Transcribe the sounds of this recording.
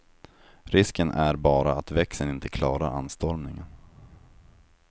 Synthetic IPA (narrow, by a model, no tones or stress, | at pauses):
ɾɪskənʔæɾbɑːɾaat̪vɛksənɪnt̪ʰəkʰlɑːɾaɾa̰nst̪ɔɾmnɪŋən